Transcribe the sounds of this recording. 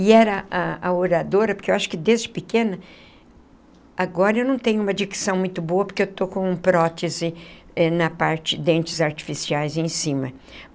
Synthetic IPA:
ɪɛɾɐaaoɾad̪oɾɐpoɾkewaʃʊ̥kɪd̪ezd͡ʒɪpɪkẽnɐ | aɡɔɾɐewnɐ̃w̃t̪ẽɲʊumɐd͡ʒiksɐ̃w̃mũj̃t̪ʊboɐpoɾkeewt̪okõũpɾɔt̪ezɪɛnɐpaɾt͡ʃɪd̪ẽnt͡ʃɪzaɾt͡ʃi̥fisiajzẽsĩmɐ

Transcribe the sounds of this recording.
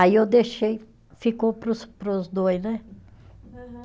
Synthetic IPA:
aiewd̪eʃej | fikowpɾʊspɾʊzd̪ojznɛ

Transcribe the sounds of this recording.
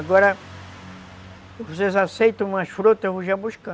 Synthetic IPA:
ɡɔɾɐ | vos̬ezasejt̪ɐ̃ũmɐsfɾut̪ɐvoʒabuʃkɐ̃

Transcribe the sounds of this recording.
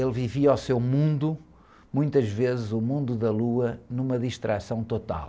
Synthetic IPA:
elˠviviawsewmũnd̪u | mũj̃t̪ɐʒvezɨzumũnd̪uðɐlˠuɐnumɐðiʃt̪ɾʔasɐ̃w̃t̪ot̪a̰lˠ

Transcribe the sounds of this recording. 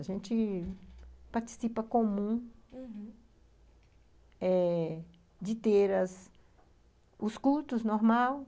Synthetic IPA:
aʒẽnt͡ʃ̪ɪ | paɾt͡ʃ̪i̥sipɐkomũ | ɛ | d͡ʒɪt̪eɾɐs | uskult̪ʊsnoɾmaw

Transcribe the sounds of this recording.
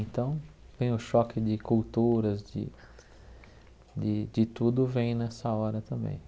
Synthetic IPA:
ẽnt̪ɐ̃w̃ | t̪ẽj̃ʊʃɔkɪd͡ʒɪkult̪uɾɐzd͡ʒɪ̰ | d͡ʒɪd͡ʒɪt̪ud̪ʊvẽj̃nɛsɐɔɾɐt̪ɐ̃mbḛ̃j̃

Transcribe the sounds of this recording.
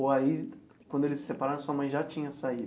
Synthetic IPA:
oai | kwɐ̃nd̪ʊelɪsɪ̥sepaɾaɾõsuɐmɐ̃j̃ʒat͡ʃĩɲɐsai

